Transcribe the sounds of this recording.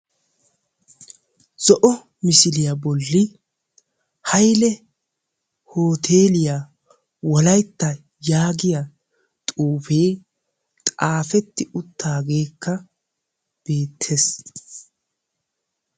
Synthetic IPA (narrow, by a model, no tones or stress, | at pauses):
z̥ɔʔɔ | mɪsɪlɪjɐbɔlːɪ | hɐjlɛ | ho̞ːt̪ʰe̞ːlɪja | wɔlɐjt̪ːɐ | jaːɡɪjɐ | t̪ʼuːfe̞ː | t̪ʼaːfɛt̪ːɪʊt̪ʰːaːɡe̞ːkːɐ | b̥e̞ːt̪ʰːes